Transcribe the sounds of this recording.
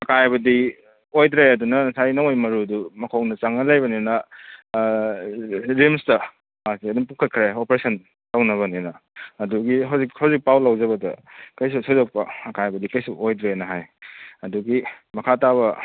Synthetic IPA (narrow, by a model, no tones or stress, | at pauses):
ɐkajbɐdi | ojdɾeɐdunɐnɐsajnɐojmɐɾuɐdumɐkʰownɐt͡ʃaŋnɐlajbɐninɐ | ɾimstɐ | asiɐdunpuŋkʰɐt̚kʰɾaopɾesɐn | tawnɐβɐninɐːduɡiɦawzikhawzik̚pawlawzɐbɐdɐ̰kɐjs̬usozok̚pɐɐkajbɐdikɐjsuojdɾenɐɦajɐduɡi | mɐkʰataβɐ